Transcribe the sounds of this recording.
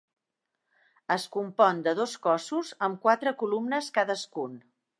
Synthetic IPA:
əskumpɔnd̪əðoskɔsuzəmkwat̪ɾəkulumnəskaðəskun

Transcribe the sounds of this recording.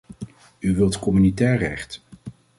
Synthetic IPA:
yʋɪlˠtkɔmynitɛːɹrɛ̰χt

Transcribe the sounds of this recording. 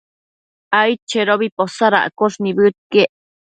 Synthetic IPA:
ajt͡ʃeɾoβiposaɾa̰ʔkosnibɨt̪̚keʔ

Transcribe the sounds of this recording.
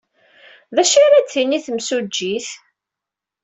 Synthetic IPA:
ðæʃaɾæt͡s̪ːiniθəmsud͡ʒːiθ

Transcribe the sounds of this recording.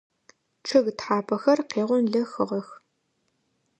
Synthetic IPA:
ʈ͡ʂʰɨɣtħaːpʰɐxɐrqeːʁʷʊnɮɐxɨʁɐx

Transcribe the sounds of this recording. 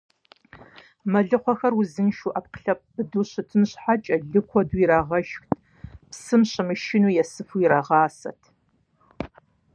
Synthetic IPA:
mɐɮɨqʷɔxɐrwʊzɨnʃuːʔɐp̚qə̥ɬɐp̚b̥ɨduːɕɨtʰɨnɕħat͡ʃʼɐɮɨkʷʰɔduːjiɾaːʁɐʃxtʰ | psɨmɕɪmɨʃɪnuːjɛsɨfujiɾaʁɑːsɐ̰tʰ

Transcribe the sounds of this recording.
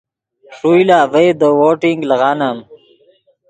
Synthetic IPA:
ʂujlavejd̪əwoʈiŋɡləɣanam

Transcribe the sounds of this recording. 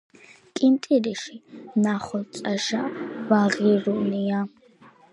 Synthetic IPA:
kʼint̪ʼiɾɛʃinaχɔsʼaʃavaʁiɾunija

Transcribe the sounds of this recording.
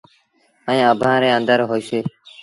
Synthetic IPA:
əĩːəbʱãːɾẽːənd̪əɾɦoːiseː

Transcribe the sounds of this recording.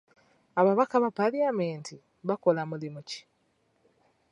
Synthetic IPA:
aβaβakaβapaljameːnti | βako̞lamulimuci̥

